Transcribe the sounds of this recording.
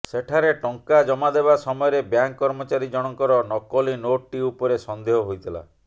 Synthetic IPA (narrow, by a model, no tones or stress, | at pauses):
seʈʰaɾeʈɔŋkad͡ʒɔmad̪ebasɔmɔjɔɾebjaŋkːɔɾmɔt͡ʃaɾid͡ʒɔɽ̃ɔŋkɔɾɔnɔkɔlinoʈʈiupɔɾesɔnd̪eɦɔɦojt̪ʰila̰